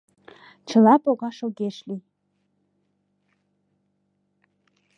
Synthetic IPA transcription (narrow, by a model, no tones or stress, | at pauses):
t͡ʃʰə̆lɑpʼoɣɑʃoɡeʃli